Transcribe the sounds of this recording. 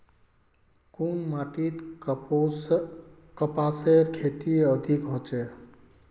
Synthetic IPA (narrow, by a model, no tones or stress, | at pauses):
kunmaʈit̪ | s | kəpaseɾkʰet̪iəd̪ʱikɦot͡ʃɛ